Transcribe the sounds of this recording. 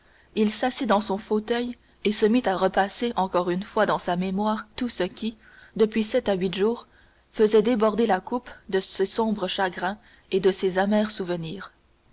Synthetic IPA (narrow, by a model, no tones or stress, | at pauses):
ilsasid̪ɑ̃sɔ̃fot̪œj | esəmit̪aʁəpaseʔɑ̃kɔʁynfwad̪ɑ̃samemwaːʁt̪usəkʲi | d̪əpɥisɛt̪aɥit̪ʒuːʁ | fəzɛd̪ebɔʁd̪elakupd̪əsesɔ̃bʁəʃaɡʁɛ̃ | ed̪əsezamɛːʁsuvəniːʁ